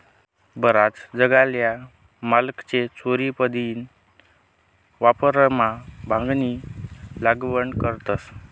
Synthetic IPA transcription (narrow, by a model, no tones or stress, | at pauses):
bəɾat͡sd͡zəɡalja | malkt͡ɕet͡sʰoɾipəd̪iːn | ʋapəɾəmabʱãŋɡnilaɡʋəɳkəɾt̪əs